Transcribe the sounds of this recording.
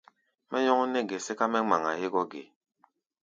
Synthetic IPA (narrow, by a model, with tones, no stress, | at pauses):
mɛ˦ɲɔ˦ŋ˦nɛ˦ɡɛ˨sɛ˦ka˦mɛ˦ŋ͡ma˨ŋa˨he˦ɡɔ˦ɡḛ˨